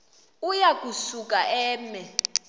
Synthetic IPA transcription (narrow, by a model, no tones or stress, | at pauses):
ujak̬ʼusuk̬ʼaʔɛːmɛ